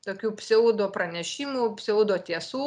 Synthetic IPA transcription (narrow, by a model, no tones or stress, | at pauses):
t̪oːkʲuːpʲsʲɛuːd̪oːpɾɐnʲɛʃʲiːmupʲsʲɛʊːd̪oːt̪ʲiɛsuː